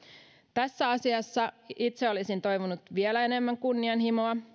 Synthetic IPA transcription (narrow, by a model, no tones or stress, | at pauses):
t̪æsːæɑsiɑsːɑit̪seo̞lisint̪o̞jʋunut̪ʋielæe̞ne̞mːæŋkunːiɑnhimoɑ